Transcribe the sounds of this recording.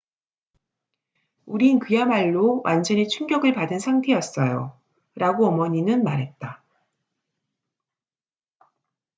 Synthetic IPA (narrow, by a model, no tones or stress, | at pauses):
uɾinkɯjamaɭːowʔa̰nd͡ʑʌnet͡ɕʰuŋɡjʌɡɯɭpadɯnsʰaŋtʰe̞jʌs͈ʌjo̰ | ɾʔaɡoʌmʌɲinɯnmaɾɦe̞t̚t͈a